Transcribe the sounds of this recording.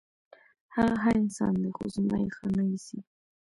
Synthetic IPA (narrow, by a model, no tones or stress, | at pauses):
haɣaɦaɪnsɑ̰nd̪exozmɑjexənəwisi